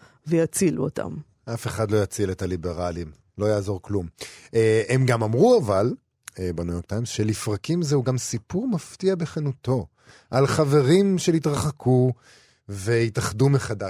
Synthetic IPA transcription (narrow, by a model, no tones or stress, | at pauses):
vejat͡silṵo̰ta̰m | ʔafe̞χadlo̞jat͡siletalibe̞ʁalim | lo̞jaːzo̞ʁklumeemɡamamʁuaval | ebenujo̞ʁkt̪ajmsʃelifʁakimzeuɡamsipuʁmaftiabeχenuto̞ | ʔalχave̞ʁimʃelitʁaχakʰu | ve̞itaχdumeχada